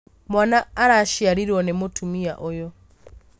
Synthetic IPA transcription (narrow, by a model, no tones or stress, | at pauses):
mwanaːɾaʃiaɾiɾwɔnɛmotʰumia̰ʔɔjɔ